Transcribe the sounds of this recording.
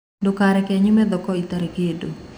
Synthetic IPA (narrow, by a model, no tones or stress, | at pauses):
dokaɾɛkɛɲimɛd̪ɔkɔit̪aɾeɡedo̰